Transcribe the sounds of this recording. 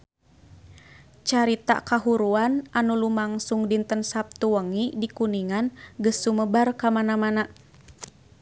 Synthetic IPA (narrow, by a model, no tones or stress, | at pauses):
t͡ʃaɾit̪a̰kaɦuɾuanʔanulumaŋsuŋdint̪ənsap̚t̪uwəŋidikuniŋanɡəsːuməbarkamanamana